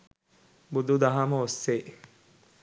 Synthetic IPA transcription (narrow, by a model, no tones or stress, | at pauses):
bud̪ud̪ɐɦamɐosːe